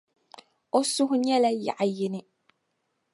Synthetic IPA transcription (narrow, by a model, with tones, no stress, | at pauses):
o˦sʊ˦ɦʊ˦ɲɛ˦la˦ja̰˨ʔa˨jɪ˦nɪ˦